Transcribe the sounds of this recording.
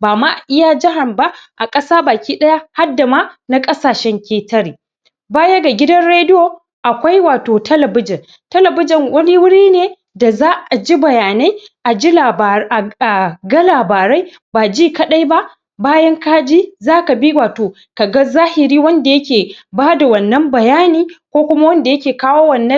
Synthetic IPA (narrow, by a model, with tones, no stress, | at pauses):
baː˨ma˦ʔʔɪ˦jaː˦d͡ʒɪ˦ɦa˨mba˦ʔa˨kʼɐ˦saː˦baː˨kʲiː˦ɗɐ˦ja˦ha˦dːa˨ma˦na˦kʼɐ˦saː˨ʃɛ˦ŋkʲeː˦tɐ˦ɾiː˨ | baː˦jɐ˦ɡa˨ɡʲɪ˦dɐ˦nɽeː˦dɪ˦jo˨ | ʔa˨kʷa˦jwaː˨toː˨tʰɐ˦lɐ˨bɪ˦d͡ʒɪ˨n | tɐ˦lɐ˨bɪ˦d͡ʒɪ˨ŋwɐ˦ni˦wʊ˦ɽiː˦neː˨ | da˨zaː˦ʔa˨d͡ʒi˦bɐ˨jaː˨na˦j | ʔa˨d͡ʒi˦la˨ʔa˨ɡɐ˦laː˨baː˨ɾa˦j | ba˨d͡ʒiː˦˨kɐ˦ɗa˦jba˦ | baː˦jɐ˦ŋka˦d͡ʒi˦zaː˦ka˨bi˦waː˨toː˨ | ka˨ɡɐ˦zaː˦hɪ˨ɾiː˦wɐ˦nda˨jɐ˦kʲeː˨baː˦da˨wɐ˨nːɐ˦mbɐ˨jaː˦niː˦kʷoː˦kʷʊ˦ma˦wɐ˦nda˨jɐ˦kʲeː˨kaː˦woː˦wɐ˨nːɐ˦